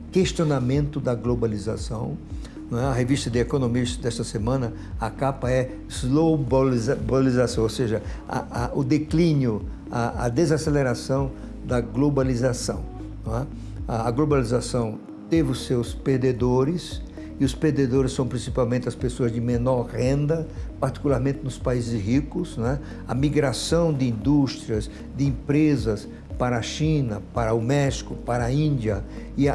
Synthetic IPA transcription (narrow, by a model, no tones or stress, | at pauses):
kest͡ʃ̪ionamẽnt̪ʊd̪ɐɡlobalizasɐ̃w̃ | ñɛɐɦevist̪ɐd̪ɪekonõmist̪ɐd̪ɛst̪ɐsemɐ̃nɐ | ɐkapɐɛ | zlobalzbalizasɐ̃w̃oseʒɐa̰ʊd̪eklĩnjʊ | aɐ̰d̪ezaseleɾasɐ̃w̃ | d̪ɐɡlobalizasɐ̰̃w̃ | nɛ | aɐɡlobalizasɐ̃w̃ | t̪evɪʊsewspeɾd̪ed̪oɾɪs | ɪʊspeɾd̪ed̪oɾɪsːɐ̃w̃pɾĩsipawmẽnt̪ɪɐspesoɐzd̪ɪmenɔɾʁẽnd̪ɐpaɾt̪i̥kulaɾmẽnt̪ɪnʊspaizɪshikʊsnɛ | ɐmiɡɾasɐ̃w̃d̪ɪĩnd̪ust̪ɾiɐs | d̪ɪẽmpɾezɐs | paɾɐɐʃĩnɐpaɾɐʊmɛʃi̥kʊpaɾɐĩnd̪jɐɪ